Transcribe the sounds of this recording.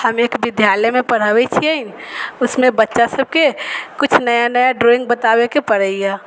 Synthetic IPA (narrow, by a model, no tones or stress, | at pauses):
həmeːkbɪd̪ʱjaləmẽpəɽ̤əwet͡ʃʰiəɪnʊsmẽbətːʃasəb̚kekʊt͡ʃʰnəjanəjaɖɾoɪ̃ŋɡ̚bət̪awekepəɽəija